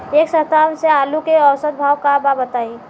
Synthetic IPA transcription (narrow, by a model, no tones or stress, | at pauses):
eːksət̪anseaːlukeɔwsəd̪̚bʱawkababət̪ai